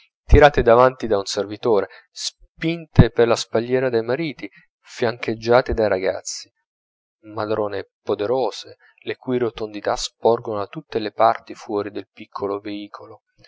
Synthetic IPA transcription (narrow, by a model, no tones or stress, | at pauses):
t̪iɾaːt̪ed̪avant̪id̪aunservit̪oːɾe | s | pint̪eperlaspaʎːɛːɾad̪ejmaɾiːt̪i | fjaŋked͡ʒːaːt̪ed̪ajɾaɡa̰t̪sːi̥ | mad̪ɾɔːnepod̪eɾɔːze | lekujiɾot̪ond̪it̪aspɔrɡonat̪ːut̪ːelepart̪ifwɔːɾid̪elpikʰːoloveiːkʰolo